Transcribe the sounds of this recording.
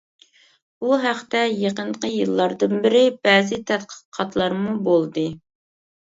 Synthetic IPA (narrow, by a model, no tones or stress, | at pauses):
buɦæχt̪ɛjeqəɴqəjɨlˠːɑɾd̪ɨnbɪɾɪbɛːzɪt̪ʰɛt̪qʰə̥qʰɑt̪lˠɑɾmubolˠd̪ɨ